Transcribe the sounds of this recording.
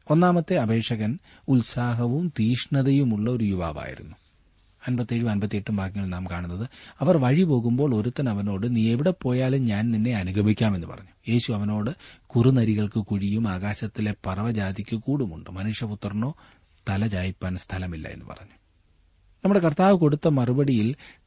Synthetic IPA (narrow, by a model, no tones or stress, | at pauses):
o̞nːaːmɐt̪ːe̞ɐbʱe̞ːkʂɐɣɐn | ulsaːɦɐʋumt̪iːʂɳɐðɐjumuɭːɐo̞ɾujuʋa̰ːʋa̰ːjḭɾṵnːu | ɐnbɐt̪ːeɻumɐnbɐt̪ːieʈːumbʱaːkiŋːɐɭnaːmkaːɳunːɐðɨɐʋɐrʋɐɻipo̞ːɣumbo̞ːɭo̞ɾut̪ːɐnɐʋɐno̞ːɽɨniːeʋiɽepːo̞ːjaːlumɲaːnninːe̞ɐnuɡʱɐmikʲːaːme̞nːɨpɐ̰rɐɲːu̥je̞ːɕuɐʋɐno̞ːɽɨkurunɐɾiɣɐɭkɨkuɻijumaːɣaːɕɐt̪ːile̞pɐrɐʋɐd͡ʑaːd̪ikʲːɨkuːɽumṵɳɖɨmɐnuːʂjɐput̪ːɐrɳo̞ː | t̪ɐlɐd͡ʑaːjipːaːnst̪ʰɐlɐmilːɐ̰enːɨpɐ̰rɐɲːu̥ | nɐmːuɽe̞kɐrt̪aːʋɨko̞ɽut̪ːɐmɐrubɐɽijil